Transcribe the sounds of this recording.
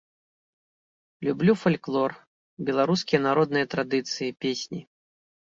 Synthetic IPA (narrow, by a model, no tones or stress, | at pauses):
lʲublʲufalʲklˠɔr | bʲɛlˠaɾuskʲijɐnaɾɔd̪nɨjɐt̪ɾad̪ɨt̪sɨjipʲesʲnʲi